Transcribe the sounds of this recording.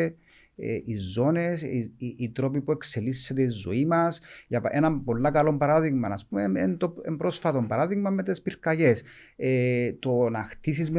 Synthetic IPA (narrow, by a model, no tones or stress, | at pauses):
e | ḛʔizːo̞ne̞siit̪ɾo̞pipue̞kse̞lisːet̪e̞izo̞̰imɐsjɐpenɐmpo̞lːakɐlo̞mbɐɾaðiɣmɐnɐspumeent̪oembɾo̞sfɐt̪o̞mbɐɾaðiɣmɐmːet̪espiɾkɐʝe̞set̪onaxt̪isizme